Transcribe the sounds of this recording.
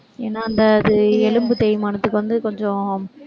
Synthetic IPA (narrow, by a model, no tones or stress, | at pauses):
eːnːaːɐnd̪ɐɐðɯɛlɯmbɯt̪ɛjɪmaːnɐt̪ːɯkːɯʋɐnd̪ɯkɔɲd͡ʒɔ̃